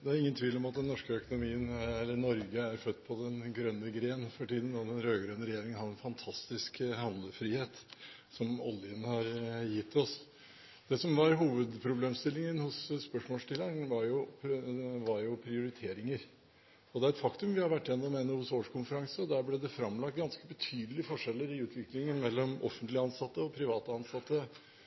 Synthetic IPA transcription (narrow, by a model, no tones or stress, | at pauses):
d̪ɛæɾɪŋːənt̪ʰʋiːlɔmɑt̪̚d̪ɛnːɔʂkəœkʊnʊmiːənɛlːənɔɾɡəæɾfœt̪ːpʰɔd̪ɛnɡɾœnːəɡɾeːnfɔʈiːd̪ən̩ɔd̪ɛnɾøːɡɾœnːəɾɛjeːɾɪŋənhɑd̪ɛnfɑnt̪ʰɑst̪ɪskhɑnd̪ləfɾiːheːt̪ | sɔmɔ̰ljənəhɑɾjɪt̪ːɔs | d̪̥ɛsɔmʋɑɾɦuːʋəd̪pʰɾʊbleːmst̪ɪlːɪŋənhʊsːpœʂmoːlʂʈɪlːəɳʋɑɾjʊpʋɑɾjʊpʰɾɪʊɾɪt̪ʰeːɾɪŋəɾ | ɔd̪ɛæɾɛt̪fɑkt̪ʉmʋɪhɑɾʋæʈːɪjɛnːɔmɛnːəhʊsoːʂkʰʊnfəɾɑŋsəɔd̪æːɾblɛd̪ɛfɾɑmlɑkt̪̚ɡɑnskəbət̪ʰyːd̪əlɪəfɔʂɛlːəɾɪʉːt̪ʰʋɪklɪŋənmɛlːɔmʔɔ̰fənt̪lɪəɑnsɑt̪ːəɔpʰɾɪʋɑːt̪əɑnsɑt̪ːə